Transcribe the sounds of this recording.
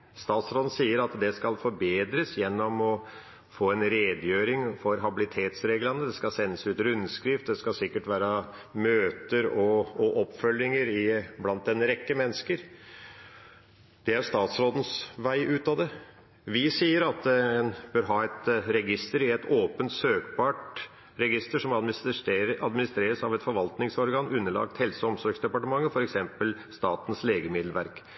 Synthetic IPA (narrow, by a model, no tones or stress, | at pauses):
st̪ɑːt̪sɾoːd̪n̩siːəɾɑt̪d̪ɛskɑlfɔɾbeːd̪ɾəsjɛnːɔmɔ | foːɛnɾeːd̪jøːɾɪŋfɔɾɦɑbɪlɪt̪ʰeːt̪sɾeːɡlənəd̪ɛskɑsɛnːəsʉːt̪ɾʉnːskɾɪft̪d̪ɛskɑsɪkːəʈʋæːɾəmøːt̪əɾɔɔʔɔpːfœlːɪŋəɾɪblɑnt̪̚d̪ɛnːəɾɛkːəmɛnːəskəɾ | d̪̥ɛæɾʂt̪ɑːt̪sɾoːd̪n̩sʋæɪʔʉːt̪ɑd̪ɛ | ʋɪsiːəɾɑt̪̚d̪ɛɛnb̥øːɾɦɑːɛt̪ɾɛɡɪst̪əɾɪɛt̪ʰoːpənt̪søːkbɑʈ | ɾɛɡɪst̪əʂɔmɑ | ɑd̪mɪnɪst̪ɾeːɾəsɑʋɛt̪fɔɾʋɑlt̪nɪŋsɔɾɡɑːnʉnːəlɑ̰k̚t̪hɛlsəɔmsɔɾɡsd̪ɛpɑʈəmɑŋːəfɔɾɛksɛmpəlst̪ɑːt̪n̩sleːɡəmɪd̪lʋæɾk